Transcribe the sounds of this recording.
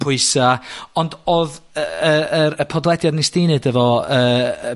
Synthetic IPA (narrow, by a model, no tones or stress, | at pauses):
pʰʊɨsaɔndɔðəəɾəpʰɔdlˠɛdjadnistɪnɨdəvɔəː